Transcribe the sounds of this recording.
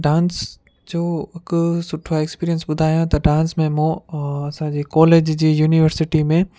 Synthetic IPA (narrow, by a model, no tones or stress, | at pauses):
ɖãːns | d͡ʑoːɐksʊʈʰaeːkspiːɾiənsɓʊd̪ʱaːjãt̪ɐɖãːnsmẽmõɐsãːd͡ʑeːkɔːleːd͡ʑd͡ʑiːjuːniʋəɾsɪʈimẽ